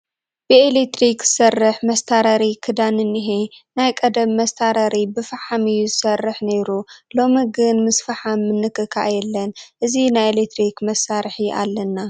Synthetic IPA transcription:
bɨelet̪ɾikz̥ɨsɐrːɨħmɐst̪ʰaɾɐɾikʰɨd̪anɨnːiɦenajkʼɐd̪ɐmːɐst̪ʰaɾɐɾibɨfaħamɨjuzɨsɐrːɨħne̞ɾulo̞miɡɨnmɨsfaħamːɨnːɨkɨkʰa̰ʔjɛlːɐnʔɨzinajelet̪ɾikmɐsaɾħiʔa̰lːɐnːa

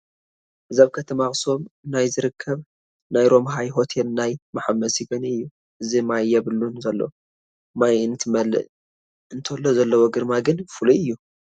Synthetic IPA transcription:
ʔɨzaβkʰɐt̪ʰɐmaxʼso̞mnajzɨɾɨkʰːɐβ | najɾo̞mɦajɦo̞t̪ʰelnajmaħamːɐsiɡɐniɨjːu | ʔɨzimajːɛβɨlunzɐlːɐ̰w | majɨnt̪ʰɨmɐlɨ̰ʔ | ɨnt̪ʰlːozɐlːɐwoɡɨɾmaɡɨnfɨluɨjːu

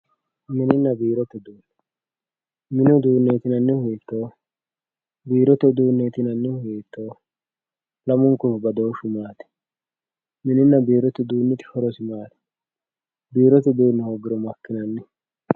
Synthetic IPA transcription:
mɪnɪnːɐbiːɾɔt̪ːɛd̪uːnːɛ | mɪnʊd̪uːnːeːt̪ɪnɐnːɪhʊet̪ːoː | biːɾɔt̪ːɛd̪uːnːeːt̪ɪnɐnːɪhʊeːt̪ːoː | lɐmʊŋkʊbɐd̪oːʃʊmaːt̪ɛ̥ | mɪnɪnːɐbiːɾɔt̪ɪd̪uːnːɪt̪ɪ̥hɔɾɔsɪmaːt̪ɛ̥ | biːɾɔt̪ɛd̪uːnːɛhoɡɪɾɔmɐkːɪnɐnːɪ

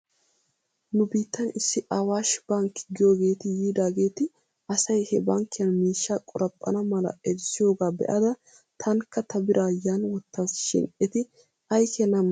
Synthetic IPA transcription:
nʊbiːt̪ːɐnɪsːɪʔɐwaːʃb̥ɐŋkːɪ̥ɡɪjoːɡe̞ːt̪ɪjiːd̪aːɡe̞ːt̪ɪ | ɐsɐjhɛbɐŋkːɪjɐnmiːʃːaːkʼɔɾɐpʼːɐ̰nɐmɐlɐ̰ʔɛɾsɪjo̞ːɡaːbɛ̰ʔɐd̪ɐ | t̪ʰɐŋkːɐt̪ɐbɪɾʔaːjanwɔt̪ːasʃɪ̰nʔɛt̪ɪ | ʔɐjkɛnɐm

